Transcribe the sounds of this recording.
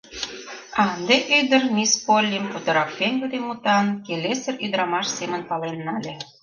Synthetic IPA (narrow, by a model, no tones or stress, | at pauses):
ɑnd̪eʔød̪ərmʲispolʲːimput̪ə̆ɾɑppenʲɡud̪emut̪ɑnkelesə̆ryd̪əɾɑmɑʃsemə̆npɑlenːɑlʲe